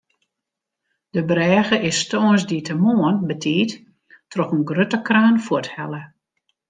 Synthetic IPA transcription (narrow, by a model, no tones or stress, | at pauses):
d̥əbrɛːɣəʔɪstonsditʰəmoənbətʰiːt | trɔxənɡrøtəkraːnfuthɛlə